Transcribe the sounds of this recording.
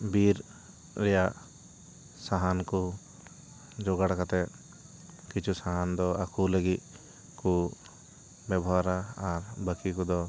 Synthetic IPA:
biɾ | ɾɛjaʔ | saɦanku | d͡ʒɔɡaɽakat̪ɛ | kit͡ʃʰusaɦand̪ɔakʰuləɡit̪̚ | ku | bɛbɔwaɾaaɾbəkikud̪ɔ

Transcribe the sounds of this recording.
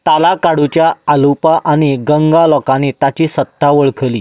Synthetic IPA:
t̪alakaɽut͡ɕjaːlupaʔaɽ̃iɡəŋɡalɔkaniːt̪at͡ɕiːsət̪ːaʋəɭkʰəliː

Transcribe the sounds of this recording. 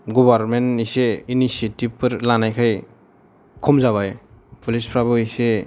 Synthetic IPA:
ɡɔbaɾmeniseinisietib̚pɯɾlanajkʰaj | kʰɔmzaβajpulispʰɾabɯise

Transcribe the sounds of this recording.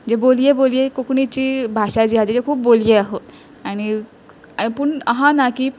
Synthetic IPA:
d͡ʑebolijebolijekokɳit͡ɕiːbʱaɕad͡ʑiɦad͡ʑed͡ʑekʰuːp̚boljeaɦot̪ | aɽ̃i | aɽ̃ipuɳəɦãnaki

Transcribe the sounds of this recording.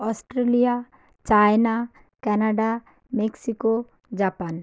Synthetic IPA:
ɔsʈɾelija | t͡ʃajna | kɛnaɖa | meksiko | d͡ʒapan

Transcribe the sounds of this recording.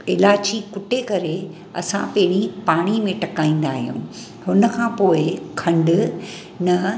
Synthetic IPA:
ɪlaːd͡ʑikʊʈekɐɾe | ɐ̰sã̰pɐ̃ɦɪɽ̃ipaːɽ̃imẽʈɐkaːĩːn̆d̪aːɦijṵ̃ː | hʊnə̆kʰãːpoːɪkʰɐ̃ɳɖʊ | nɐ

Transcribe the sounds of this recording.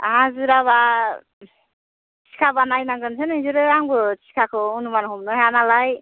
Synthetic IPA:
aãzuɾaβa | t͡ʃʰi̥kʰabanajnaɡɯnsʰɯnizuɾɯaŋbɯt͡ʃʰi̥kʰakʰɔunumanɦumnɔanalaj

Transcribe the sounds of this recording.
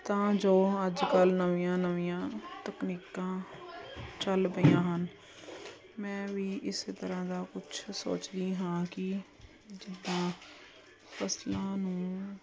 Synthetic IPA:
t̪ãːd͡ʒoːəd͡ʒkəlnəʋiːjãːnəʋijãːt̪əkniːkãː | t͡ʃəlbəijãːɦən | mɛ̃ːʋiːʔɪst̪əɾãːd̪aːkʊt͡ʃʰso̰ːt͡ʃd̪ĩːɦãːkɪ | d͡ʒɪd̪ːãː | pʰəslãːnũː

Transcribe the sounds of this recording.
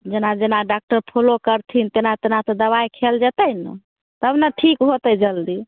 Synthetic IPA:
d͡ʒenad͡ʒenaɖak̚ʈəɾpʰolokəɾt̪ʰint̪enat̪enat̪ɔd̪əβajkʰeld͡ʒɛt̪ənə̰ | t̪əbnaʈʰikɦot̪əd͡ʒəld̪i

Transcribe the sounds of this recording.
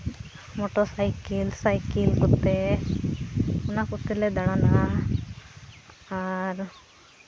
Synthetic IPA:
mɔʈɔsajkilsajkilkɔt̪ːe | unakɔt̪ːeled̪aɽana | aɾ

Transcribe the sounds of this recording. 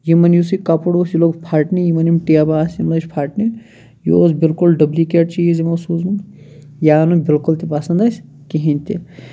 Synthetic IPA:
jimɐnjus̬ikapɐɽoːsjiloːɡpʰaːʈnijimɐnimʈijabaːsimlɐt͡ʃʲpʰaːʈni | jooːsbilkulɖɐblikeʈ̚t͡ʃiːzimɐsuːzmɐn | jaːnubɪlkult̪ipasɐnd̪ɐsʲ | kiɦinʲt̪i

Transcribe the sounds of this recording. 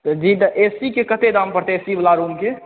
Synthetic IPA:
t̪əd͡ʒit̪əʔesikekət̪ed̪ampəɾt̪eːsibəlaɾumke

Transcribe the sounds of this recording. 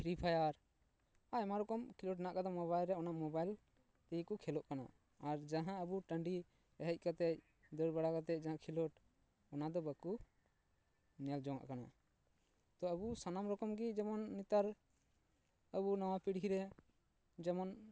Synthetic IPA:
ɾipʰajaɾ | amaɾɔkɔmkʰilɔʈnaʔkad̪ɔmɔβajlɾɛɔnaʔmɔbajl | t̪ɛikukʰɛlɔʔkana̰ː | ɾd͡ʒãɦãəbuʈəɳɖi | ɛɦɛc̚ˀkat̪ɛc̚ | d̪əɾbaɽakat̪̬ɛc̚ˀd͡ʒãɦãkʰilɔʈ | ɔnad̪ɔbaku | nɛld͡ʒɔŋa̰ʔkana̰ | t̪ɔəbusanamɾɔkɔmɡid͡ʒɛmɔnːit̪aɾ | əbunɔwapiɽɦiɾɛ | d͡ʒɛmɔn

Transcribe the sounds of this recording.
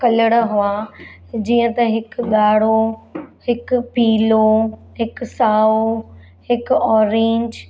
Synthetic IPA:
kɐləɽəɦʊad͡ʑiːə̃t̪ɐɦɪkɠaːɽ̤ohɪkʊpiːlo | ɦɪksaːo | hɪkɔːɾẽːɲd͡ʑ

